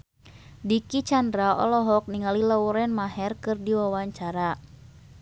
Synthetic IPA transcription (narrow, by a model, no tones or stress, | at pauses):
dikit͡ʃandɾaɔ̰lɔɦɔk̚niŋalilauɾɛnmaɦɛrkɨrdiwawaɲt͡ʃaɾa